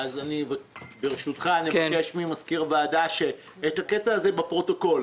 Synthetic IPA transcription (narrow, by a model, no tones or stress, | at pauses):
azanivabeʁeʃut̪χaniakeʃmimaskiʁvaːdaʃe̞ː | t̪haketaːzebepʁo̞to̞ko̞l